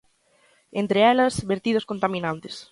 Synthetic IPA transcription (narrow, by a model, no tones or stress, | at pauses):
ent̪ɾɪɛlɐsβeɾt̪ið̞oskont̪amĩnãnt̪ɪs